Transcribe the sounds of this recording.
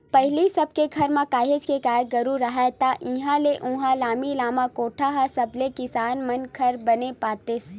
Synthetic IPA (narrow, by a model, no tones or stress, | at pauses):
pɐɦlisɐb̚keɡʰʱɐɾmãkaːɦed͡ʒkekaːjɡɐɾuɾɐɦat̪aʔĩɦãleʔũɦãlaːmilaːmãkoːʈʰaɦasɐblekɪsaːnmɐnkʰɐɾbɐnepaːt̪es